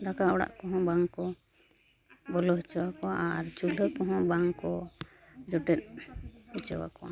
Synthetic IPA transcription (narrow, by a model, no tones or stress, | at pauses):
dakaɔɽa̰ʔkɔɦɔ̃baŋkɔ | bɔlɔɦit͡ʃɔwakɔaʔaɾt͡ʃuləkɔɦɔ̃baŋkɔ | d͡ʒɔʈɛt̪̚bɛt͡ʃɔwa̰kɔwa